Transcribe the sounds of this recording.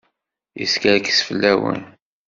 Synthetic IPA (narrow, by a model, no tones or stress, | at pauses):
jḭskəɾkə̥sfəlːæwə̰n